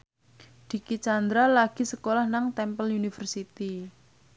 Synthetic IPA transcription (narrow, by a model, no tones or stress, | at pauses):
d̪̥i̤kit͡ʃand̪ɾalaɡ̥i̤səkolahnaŋt̪ɛmpəlunifərsit̪i